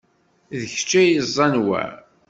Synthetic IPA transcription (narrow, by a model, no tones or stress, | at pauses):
ðəç̥t͡ʃːæjəzˤːɑnwæ̰